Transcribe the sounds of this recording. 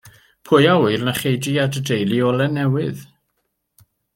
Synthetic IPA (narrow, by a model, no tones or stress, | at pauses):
pʰʊjawɪrnaχejdiadədejlˠiɔlˠɛnɛwɪð̥